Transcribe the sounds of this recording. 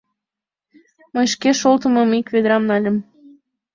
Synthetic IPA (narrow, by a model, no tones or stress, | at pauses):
məjʃkeʃolt̪ə̆məmikβed̪əɾɑmnɑlʲə̆m